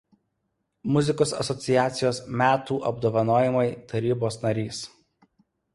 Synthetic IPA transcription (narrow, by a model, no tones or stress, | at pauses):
mʊzʲɪkoːsɐ̰sɔt̪sʲɪjæːt̪sʲɪjoːsmʲæːt̪uːʔɐbd̪oːʋɐnoːjɪmɐɪt̪ɐɾʲiːboːsnɐɾʲiːs